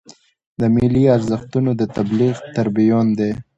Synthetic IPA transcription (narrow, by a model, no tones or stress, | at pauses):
d̪əmiliaɾzəxt̪unod̪ət̪abliɣt̪aɾbijond̪e